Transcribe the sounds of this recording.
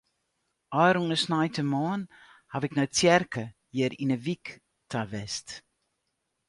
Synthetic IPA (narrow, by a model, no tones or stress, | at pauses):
ɑjɾuŋəsnajtəmɑːnhavɛknɔɥt͡sjɛrkəjiəɾinəvik | tavɛst